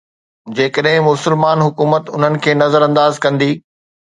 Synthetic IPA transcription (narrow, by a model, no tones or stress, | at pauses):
d͡ʑeːkəɗɦɪ̃mʊsəlmaːnɦʊkuːmət̪ʊn̤ənɪ̆kʰeːnɐzəɾɐ̃nd̪aːzkɐ̃nd̪iː